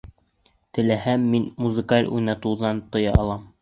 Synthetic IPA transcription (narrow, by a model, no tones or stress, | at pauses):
t̪ɘ̆læhæmːinmuzɘ̆kalʲṵjnɑt̪uwðɑnt̪ŏjɑɑlˠɑm